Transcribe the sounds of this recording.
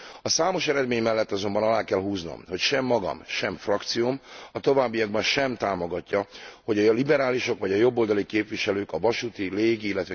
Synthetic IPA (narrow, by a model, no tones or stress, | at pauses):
ɒsaːmo̞ʃɛɾɛd̪meːɲmɛlːɛt̪ːɒzo̞mbɒnɒlaːkɛlɦuːzno̰mho̞cʃɛmːɒɡɒ̰mʃɛɱfrɒkt̪sijomɒt̪o̞vaːbːijɒɡ̚bɒnʃɛmt̪aːmo̞ɡɒcːɒho̞ɟɒjlibɛɾaːliʃo̞kʋɒɟɒjo̞bːo̞ld̪ɒlikeːpʋiʃɛløːkɒvɒʃuːt̪ileːɡiilːɛt̪ʋɛ